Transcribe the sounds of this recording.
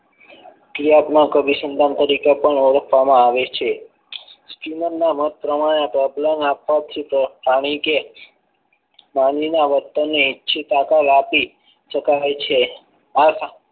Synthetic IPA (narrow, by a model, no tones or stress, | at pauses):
kɾijat̪nakəbisənd̪amt̪əɾikepəɳoɾəkʰʋamãaʋet͡ʃʰe | skinənnːamət̪̚pɾəmaɽ̃ẽapɾɔblemapʋat̪ʰipɾəpaɽ̃ike | mãninaʋət̪ːənːeitːʃʰit̪akaɾapi | ʃəkaet͡ʃʰe | as